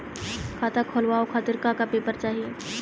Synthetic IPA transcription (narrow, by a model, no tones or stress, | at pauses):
kʰaːt̪akʰoːlʋaokʰaːt̪ɪɾkakapeːpəɾt͡ʃaːɦieː